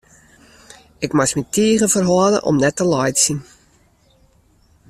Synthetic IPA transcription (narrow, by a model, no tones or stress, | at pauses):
ɪkmasmitiəɣəfərɦɔələ̰ʔɔ̰mnɛtəlɔjtsin